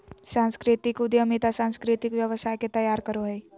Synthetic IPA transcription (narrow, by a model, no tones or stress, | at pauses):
sãːnskɾɪt̪ikʊd̪jəmit̪asãːnskɾit̪ikʋjəʋəsaːjket̪əjaːɾkəɾoɦe